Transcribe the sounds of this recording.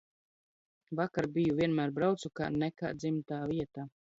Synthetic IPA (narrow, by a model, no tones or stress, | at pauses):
vakaɾbijuviɛnmæːɾbɾawt̪suka̰ːnɛka̰ːd̪zimt̪aːviɛt̪aː